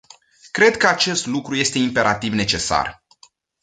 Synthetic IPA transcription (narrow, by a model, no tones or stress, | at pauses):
kɾe̞d̪kəat͡ʃe̞st̪lukɾuje̞st̪e̞impe̞ɾat̪ivne̞t͡ʃe̞sa̰r